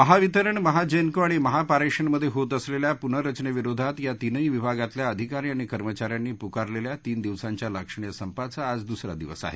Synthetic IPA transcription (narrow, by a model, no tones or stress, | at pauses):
məɦaʋit̪əɾəɳməɦad͡ʑenkəaɽ̃iməɦapaɾeʂəɳməd̪ʱːjeɦot̪əsleljapunəɾət͡ɕɳeʋiɾod̪ʱat̪jat̪inəiʋibʱaɡat̪ljaəd̪ʱikaɾiaɽ̃ikəɾmət͡ɕaɾjanːiːpukaɾleljat̪iːnd̪iʋsãɲt͡ɕjaləkʂəɳjəsəmpat͡saːd͡zd̪usɾa̰d̪iʋəsa̰ɦḛ